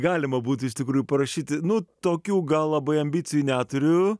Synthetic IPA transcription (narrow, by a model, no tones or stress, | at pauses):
ɡɑːlʲɪmɐbuːt̪ʲʊɪʃʲt̪ʲɪkɾuːjupɐɾɐʃʲiːt̪ʲɪnʊt̪oːkʲuːɡɐlˠlˠɐbɐɪɐmʲbʲiːt͡ssʲɪjuːnʲæːt̪ʊɾʲʊ